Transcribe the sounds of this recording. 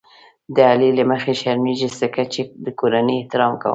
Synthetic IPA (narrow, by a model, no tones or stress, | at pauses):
d̪əaleləməxeʃaɾmiʒist̪əkat͡ʃed̪əkoɾanəeht̪ɪɾɑmka̰wə̰